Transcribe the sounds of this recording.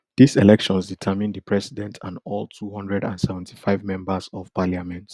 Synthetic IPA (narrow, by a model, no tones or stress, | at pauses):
diselɛkʃɔ̃nsditʰamĩndipʰɹɛsidɛ̃ntʰãnɔlˠtʰuhɔ̃ndɹɛdã̰nsɛvɛ̃n̩tʰi̥faɪvmɛ̃mbəsɔvpaljamɛ̃nt